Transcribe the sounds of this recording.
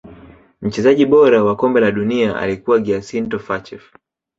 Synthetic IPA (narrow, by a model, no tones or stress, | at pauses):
m̩t͡ʃɛzaʄiɓɔɾawakɔmbɛlaɗuniaa̰likuwaɡiasintɔfat͡ʃɛf